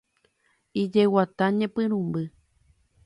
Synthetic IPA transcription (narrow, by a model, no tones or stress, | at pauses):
id͡ʒewat̪aɲẽpɨ̃ɾũmbɨ